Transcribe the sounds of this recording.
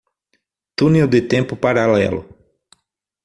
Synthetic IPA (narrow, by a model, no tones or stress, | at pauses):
t̪ũnɛwd̪ɪt̪ẽmpʊpaɾalɛ̰lʊ̰